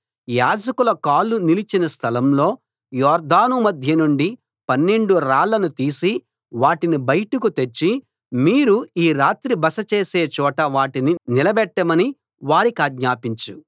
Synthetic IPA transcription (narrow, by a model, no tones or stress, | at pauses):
jaːd͡ʒɐkulɐkaːlːunilit͡ʃinɐst̪ʰɐlɐmlo̞ː | jɔːɾd̪ʱaːnumɐd̪ʱjɐnuɳɖi | pɐnːe̞ɳɖuɾaːɭːɐnut̪iːsi | ʋaːʈinibɐjʈukut̪et͡ʃːi | miːɾuiːɾaːt̪ɾibɐsɐt͡ʃe̞ːseːt͡ʃɔːʈɐʋaːʈininilɐbɛʈːɐmɐni | ʋaːɾikaːɡɲaːpiɲt͡ʃu